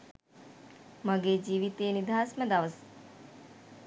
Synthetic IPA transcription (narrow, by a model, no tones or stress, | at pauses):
mɐɡeːd͡ʒiːʋit̪eːnid̪ʱaːsmɐd̪aʋəs